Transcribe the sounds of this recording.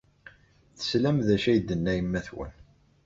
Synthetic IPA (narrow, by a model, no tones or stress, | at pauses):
θə̥slæmðæʃæjd̪ːənːæjəmːæθwə̰n